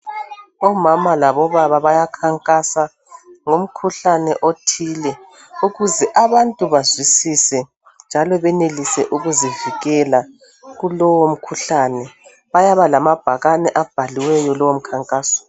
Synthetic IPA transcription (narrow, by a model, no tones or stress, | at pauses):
ɔmamalaβɔβaβaβajakʰaŋkʼasa | ŋom̩kʰuɬanɛʔotʰiːlɛ | uɣuzɛʔaβantʼuβazwisisɛ | nd͡ʒʱalɔβɛnelisɛʔuɣuziviɣɛla | ɣulɔwom̩kʰuɬanɛ | βajaβalamab̥ʱaɣanɛʔab̥ʱaliwɛjɔlɔwom̩kʰaŋkʼaːsɔ̥